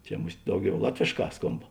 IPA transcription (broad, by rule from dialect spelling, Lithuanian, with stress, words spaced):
ˈt͡ʃʲɛ ˈmʊsʲtʲ ˈdɐʊˌɡʲɛʊ ˈlˠɑːtʲʋʲeːʃˌkɑː ˈskoːmp